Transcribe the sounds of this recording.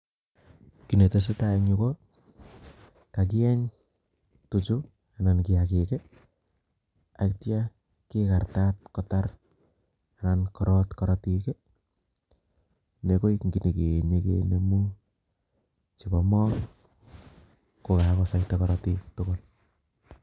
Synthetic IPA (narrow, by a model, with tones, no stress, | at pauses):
ki˨ne˨te˨s̬e˦taeŋiko˦ | ka˨k̬i˦ɛ˦ɲ | tu˨t͡ʃʊ˦ | a˨na˨nki˨ake˨kɛ˦ | a˨ktja˦ | kika˨rta˦t̚kɔta˦r | anankɔɾɔtkɔɾɔtike˦ | ne˨ko˦iŋɡi˨ne˨ke˨ɲe˨kḛnemu | t͡ʃibɔ˨mɔ˦ŋ | ko˨ka˨kɔsa˨itekɔɾɔtitokol